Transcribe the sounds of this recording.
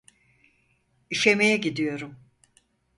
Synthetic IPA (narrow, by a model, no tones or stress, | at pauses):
iʃemejɛɟid̪ijo̞ɾum